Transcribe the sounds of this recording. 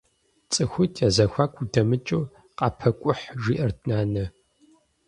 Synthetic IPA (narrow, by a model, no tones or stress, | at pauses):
t͡sʼɨxʷʊtʰjazɐxʷaːkʷʰʼudɐmɨt͡ʃʼuː | qɑpʰɐkʷʼʊħʒiːʔɐrtʰnaːnɐ